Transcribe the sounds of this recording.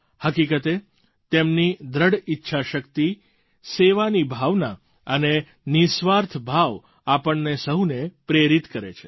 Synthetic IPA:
həkikət̪e | t̪emnid̪ɾəɽitːʃʰaʃəkt̪i | seʋanibʱaʋna | əne | nisʋaɾt̪ʰbʱaʋ | apəɳːesəɦunepɾeɾit̪kəɾḛt͡ʃʰe̥

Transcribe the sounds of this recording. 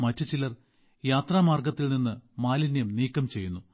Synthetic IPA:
mɐtːɨt͡ɕilɐr | jaːt̪raːmaːrɡɐt̪ːilninːɨmaːlinjɐmniːkːɐmt͡ɕe̞jːunːu

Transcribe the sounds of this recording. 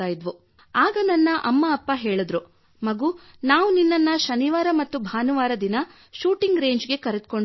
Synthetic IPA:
aːjid̪ʋu | aːɡɐnɐnːɐʔɐmːɐːpːɐɦe̞ːɭud̪ɾu | mɐɡuː | naːʋuninːɐnːɐʃɐniʋaːɾɐmɐt̪ːubʱaːnuʋaːɾɐd̪inɐ | ʃuːʈiŋɡɾe̞ːɲd͡ʒɡe̞kɐɾed̪̚ko̞ɳ

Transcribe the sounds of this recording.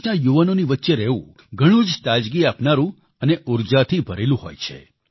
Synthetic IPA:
najuʋənoniʋətːʃeɾɛṵ̃ | ɡʱəɽ̃ũd͡ʒt̪ad͡ʒɡiapnaɾũ | əneʔuɾd͡ʒat̪ʰibʱəɾelũɦo̰jt͡ʃʰḛ

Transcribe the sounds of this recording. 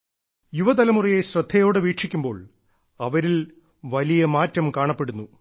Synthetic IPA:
juʋɐd̪ɐlɐmurijeɕrɐd̪ʱːɐjo̞ːɽeʋiːʈʂikʲːumbo̞ːɭ | ɐʋɐɾil | ʋɐlijɐmaːtːɐmkaːɳɐpːe̞ɽunːu

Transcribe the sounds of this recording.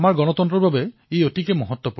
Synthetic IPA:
maɹɡɔnɔt̪ɔnt̪ɾɔbʱabeejotikemɔɦɔt̪ːwɔpu

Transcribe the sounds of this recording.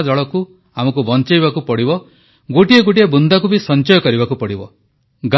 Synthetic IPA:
d͡ʒɔɭɔku | amɔkubɔnt͡ʃajβakupɔɽibɔ | ɡoʈieɡoʈiebund̪akubisɔnt͡ʃɔjɔkɔɾibakupɔɽibɔ | ɡ

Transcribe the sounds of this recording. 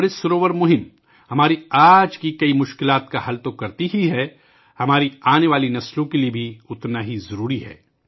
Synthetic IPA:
ɾesʊɾoːʋəɾmʊɦɪm | hɐmaːɾiaːd͡ʒkikɐimʊʃkɪlaːt̪kahɐlt̪okɐɾt̪iɦiɦɛ | hɐmaːɾiaːneʋaːlinɐslõkeliebʱiʊt̪naɦizɐɾuːɾiɦɛ̰ː

